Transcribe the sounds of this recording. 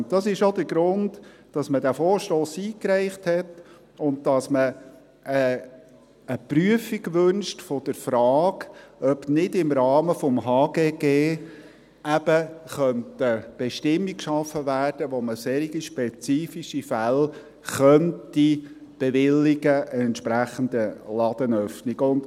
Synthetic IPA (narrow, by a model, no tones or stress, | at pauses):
d̥ɑsɪʃodəɾɡɾʊnd | d̥ɑsmədæfɔːɾʃtoːsiːkɾɛɪχthɛt | ʊnt̚d̥ɑsmə | ə | əpryəfiɡʋʏnʃtfɔd̥əɾfɾɑːɡœbnɪdɪmɾɑːməfɔmɦɑːɡeːɡ̥eː | æb̥əχœntəb̥ɛʃtɪmːikkʃɑfːəʋæːrd̥əʋoməseːɾiɡiʃpet͡siːfiʃifæl | χœnti | b̥eʋɪlːiɡəəɛntʃpɾæχənd̪əlɑd̪̥ənœfniɡʊnd̥